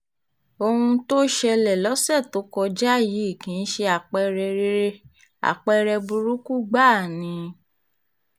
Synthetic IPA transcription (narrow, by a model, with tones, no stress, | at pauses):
o˧hũ˧to˦ʃɛ˧lɛ˨lɔ˨˦sɛ˦˨to˨˦kɔ˧d͡ʒa˦˨ji˨˦i˦˨kĩ˨˧˦n̩˦ʃe˧a˨k͡pɛ˧ɾɛ˧˦ | a̰˨k͡pɛ˧ɾɛ˧bu˧ɾu˦ku˦˨ɡ͡ba˦˨nĩ˧